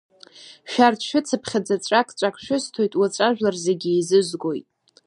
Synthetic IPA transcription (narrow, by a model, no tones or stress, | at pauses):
ʃᶣartʰʃᶣɪt͡sʰapʰχʲad͡zat͡sʷʼakʰʼt͡ʃʷʼakʷʰʃᶣʊstʰo̞jtʼwat͡sʷʼaʒᶣlarzeɡʲiizɨzɡo̞jtʼ